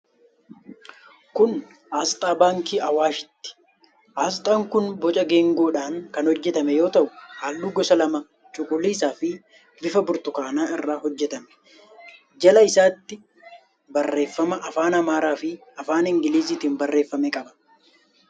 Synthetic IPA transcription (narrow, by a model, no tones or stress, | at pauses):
kʊn | ʔaːst̪ʼaːbaːŋkiːʔɐwaːʃɪ̥t̪ːɪ̥ | ʔaːst̪ʼaːŋkʊnbɔt͡ʃʼɐɡeːŋɡo̞ːᶑaːŋkɐnhɔd͡ʒːɛt̪ɐmɛjo̞ːt̪ɐʔʊhaːlːuːɡɔsɐlɐmɐ | t͡ʃʼʊkʼʊlːiːsaːfɪ | bɪfɐbʊɾt̪ʊkaːnaːɪrːaːhɔd͡ʒːɛt̪ɐmɛ̥ | d͡ʒɐlɐɪsaːt̪ːɪ | bɐrːe̞ːfːɐmɐʔɐfaːnɐmaːɾaːfɪ | ɐfaːnɪŋɡɪliːziːt̪iːnbɐrːeːfːɐmɛkʼɐbɐ̥